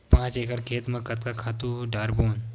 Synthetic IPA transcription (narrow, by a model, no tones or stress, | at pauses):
pãːt͡ʃeːkəɽkʰeːt̪mə̃kɐt̪̚kakʰaːt̪uɖaːɾboːn